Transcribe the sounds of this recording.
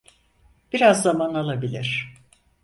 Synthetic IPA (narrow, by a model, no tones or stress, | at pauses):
b̥iɾazːamanalˠabilʲiɾ̥